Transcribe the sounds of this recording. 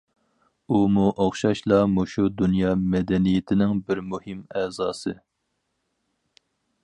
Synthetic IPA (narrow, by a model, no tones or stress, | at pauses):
umuʔɑχʃɑʃlˠɑmoʃud̪unjɑːmɛd̪ɛnijɪt̪ʰɪnɪŋbɪɾmuhɪmɛːzɑːsɨ